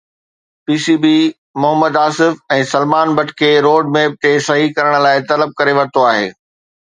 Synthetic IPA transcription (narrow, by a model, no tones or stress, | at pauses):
piːsiːbiː | mʊɦəməd̪aːsɪfɛ̃ːsɐlmaːnbɐʈʰkʰeːɾoːɖmẽːp̚ʈ̪eːsɐɦikɐɾəɽ̃̆laːɪt̪ɐləb̚kɐɾeʋɐɾt̪oaːɦḛː